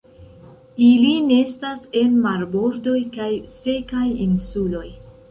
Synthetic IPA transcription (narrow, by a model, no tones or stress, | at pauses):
ilinestase̞nmaɾbo̞ɾdo̞jkajse̞kajinsulo̞j